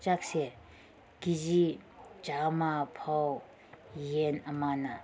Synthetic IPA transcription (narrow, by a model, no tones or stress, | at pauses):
t͡ʃak̚se | kizid͡ʒamapʰɔw | jenɐmana